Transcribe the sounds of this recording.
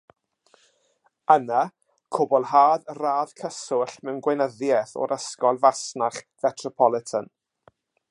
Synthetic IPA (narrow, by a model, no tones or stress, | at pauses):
əna | kʰʊbɔlˠhaːðraːðkʰəsʊɬmɛwnɡwenəðjɛθɔ̰ɾəskɔlˠvasnaχvɛtʰrɔpʰɔlˠɪtʰən